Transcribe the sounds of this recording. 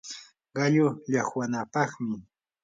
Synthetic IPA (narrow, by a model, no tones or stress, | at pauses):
ɢɑʎʊʎɑχwanapɑχmɪ